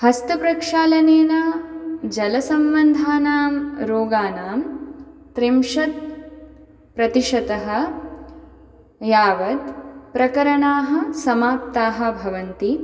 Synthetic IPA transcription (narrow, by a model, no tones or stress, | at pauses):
hɐst̪upɾɐkʂaːlɐneːnɐd͡ʒɐlɐsɐmʋɐnd̪ʱaːnaːmɾoːɡaːnaːmt̪ɾimʃɐt̪̚ | pɾɐt̪iʃɐt̪ɐɦɐ̆ | jaːʋɐd̪pɾɐkɐɾɐɳaːɦɐ̆sɐmaːp̚t̪aːɦɐ̆bʱɐʋɐnt̪i